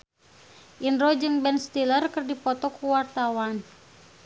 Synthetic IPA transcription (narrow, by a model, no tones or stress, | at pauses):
ʔinrɔd͡ʒɨŋbɛnst̪ilərkɨrdipɔt̪ɔkuwart̪awan